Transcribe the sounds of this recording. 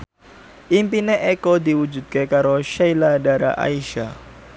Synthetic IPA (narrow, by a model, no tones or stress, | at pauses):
ʔimpineʔekod̪iwud͡ʒṳd̪̚kekaɾoʃejladaɾa̰ʔa̰iʃa